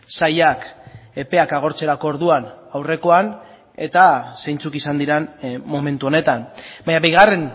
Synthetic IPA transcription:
sajake̞pe̞akaɣ̞o̞ɾt͡se̞ɾakooɾðuanawre̞ko̞an | e̞t̪ase̞jnt͡sukisand̪iɾanmo̞me̞nt̪uo̞ne̞t̪anbaɲaβeɣare̞n

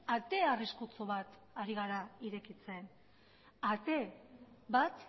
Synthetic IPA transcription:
at̪e̞ariskut͡so̞βat̪ | aɾiɣaɾaiɾe̞kit͡se̞n | at̪e̞βat̪

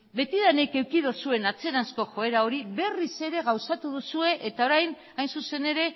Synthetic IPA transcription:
be̞t̪iðaneke̞wkiðosue̞nat͡se̞ɾansko̞ʝo̞e̞ɾao̞ɾiβe̞rise̞ɾe̞ɣ̞awsat̪uðusue̞ʔet̪ao̞ɾajn | ajnsuse̞ne̞ɾe̞

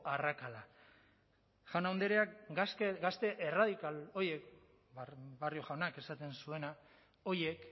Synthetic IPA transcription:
arakala | ʝawnawnd̪eɾeakseɡast̪e̞ʔeraðikalo̞ɾje̞k | bario̞ʝawnake̞sat̪e̞nsue̞na | o̞ɾje̞k

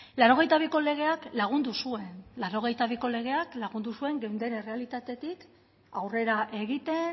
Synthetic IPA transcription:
laɾo̞ɣ̞e̞jt̪aβ̞iko̞le̞ɣ̞e̞aklaɣ̞und̪usue̞nlaɾo̞ɣ̞e̞jt̪aβ̞iko̞le̞ɣ̞e̞aklaɣund̪usue̞ŋɡe̞wnd̪e̞nere̞alit̪at̪e̞t̪ik | awre̞ɾaʔe̞ɣ̞it̪e̞n

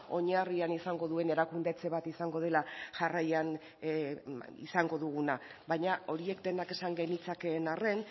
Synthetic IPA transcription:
o̞ɲarianisaŋɡo̞ðue̞ne̞ɾakund̪e̞t͡se̞β̞at̪isaŋɡo̞ð̞e̞laʝarajan | ḭsaŋɡo̞ðuɣ̞unaβaɲao̞ɾie̞kd̪e̞nake̞saŋɡe̞nit͡sake̞ːnare̞n

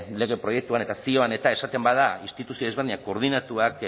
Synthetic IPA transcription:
le̞ɣe̞pɾo̞je̞k̚t̪uane̞t̪asio̞ane̞t̪ae̞sat̪e̞mbaðainst̪it̪usioezβriɲako̞ːɾð̞inat̪uak

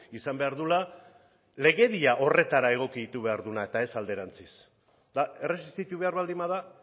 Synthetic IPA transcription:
isambe̞aɾðula | le̞ɣe̞ðiaʔo̞re̞t̪aɾae̞ɣ̞o̞kiðit̪uβe̞aɾðunae̞t̪ae̞sald̪e̞ɾant͡sis | d̪ae̞re̞sist̪it̪uβe̞aɾβald̪imaða

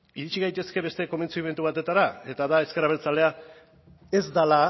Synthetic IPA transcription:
iɾit͡ʃiɣajt̪e̞ske̞βe̞st̪e̞ko̞me̞nt͡siimet̪uβat̪e̞t̪aɾae̞t̪aðae̞skeɾaβet͡sale̞a | e̞zd̪ala

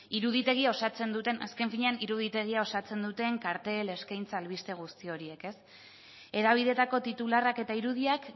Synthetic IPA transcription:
iɾuðit̪e̞ɣiao̞sat͡se̞nd̪ut̪e̞na̰ske̞ɱfiɲe̞aniɾuð̞it̪e̞ɣ̞iao̞sat͡se̞nd̪ut̪e̞ŋkaɾt̪e̞le̞skajnt͡saːlβ̞ist̪e̞ɣ̞ust̪io̞ɾie̞ke̞s | e̞ðaβ̞iðe̞t̪ako̞t̪it̪ularake̞t̪aiɾuðiak

